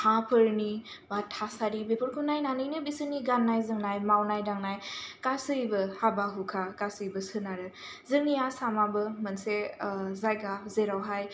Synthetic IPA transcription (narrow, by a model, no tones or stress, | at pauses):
hapʰɯɾni | batʰːasaɾibepʰuɾkʰunajnanɯjnɯbisɯniɡanːajzɯŋnajmawnajdaŋnajkasɯjbɯhabaɦukʰakasɯjbɯsɯnaɾɯ | zɯŋnijasamabɯmɯnsezajɡazeɾawɦaj